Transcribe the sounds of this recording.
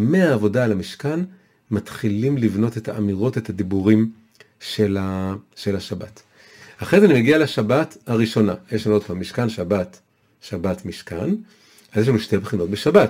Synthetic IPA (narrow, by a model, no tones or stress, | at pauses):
meaːvo̞daːlamiʃkan | matχilimlivno̞te̞tʰaʔamiʁo̞te̞thad̪ibuʁim | ʃelaʃe̞laʃabat | haχeet̪animeɡialaʃabathaʁiʃo̞najeʃ̬lanuo̞d̚paːmːiʃkanʃabat | ʃabatmiʃka̰n | vazjeʃlanuʃtebχino̞t̚beʃabat